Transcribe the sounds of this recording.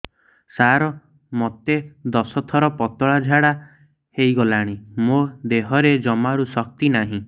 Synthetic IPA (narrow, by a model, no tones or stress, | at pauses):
saɾɔ | mɔt̪ed̪ɔsɔt̪ʰɔɾɔpɔt̪ɔɭad͡ʒʱaɽa | hejɡɔlaɽ̃imod̪eɦɔɾed͡ʒɔmaɾusɔk̚t̪inaɦĩ